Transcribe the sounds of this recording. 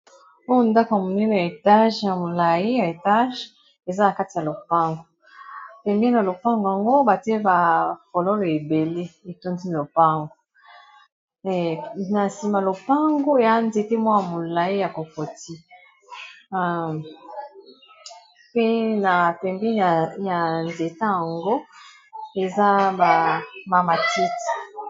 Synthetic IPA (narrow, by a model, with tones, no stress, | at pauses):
o˦jo˦nda˦ko˨a˨mo˨ni˦n˨a˨e˨ta˦ʒja˨mo˨la˨ji˦ja˨e˨ta˦ʒ | e˨za˦na˨ka˦ti˨ja˨lo˨pa˦ŋɡo˨ | pɛ˨mbi˦n˨a˨lo˨pa˦ŋɡo˨a˨ŋɡo˦ba˨ti˦e˦ba˨fo˨lo˦lo˨e˨be˨le˦e˨to˦ndi˦˨o˨pa˦ŋɡo˨ | na˨si˨ma˨lo˨pa˦ŋɡo˦e˨a˦nze˨ke˦mwa˦ja˨mo˨la˨i˦ja˨ko˨ko˨ti˦˨ | pe˦na˨pɛ˨mbi˦˨ja˨nze˨ta˦ja˨ŋɡo˦ | e˨za˦ba˨ma˨ma˨ti˦ti̥˨